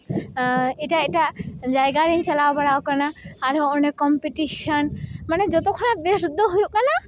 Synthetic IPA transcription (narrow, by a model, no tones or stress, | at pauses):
eʈaeʈad͡ʒajɡaɾint͡ʃəlabəɽaokənaaɾonekɔmpiʈiʃənmaned͡ʒɔt̪okʰɔɽ̃abeɾud̪ʱːəɦujukana